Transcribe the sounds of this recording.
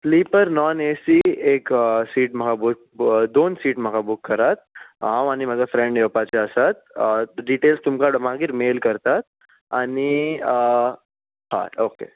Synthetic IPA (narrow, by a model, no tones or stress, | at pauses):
sliːpəɾnɔnesieksiːʈm̤əɡabuk | d̪oːnsiːʈm̤əɡabukːəɾat̪̚ɦãwañim̤aːd͡zafɾɛ̃ɳɖjepat͡ɕaəsat̪̚ɖiʈeːlst̪umkaɽmaɡiɾmeːlkəɾt̪at̪̚ | ani | ha̰okḛ